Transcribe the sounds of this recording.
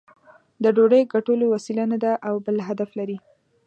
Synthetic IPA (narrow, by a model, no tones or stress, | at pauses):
d̪əɖoɽəjɡaʈolowasilanad̪aʔawbəlɦad̪aflaɾi